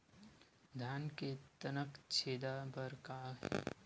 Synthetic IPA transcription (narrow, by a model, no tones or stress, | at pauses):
d̪ʱaːnket̪ənəkt͡ʃʰeːd̪abəɾkaɦɛ̰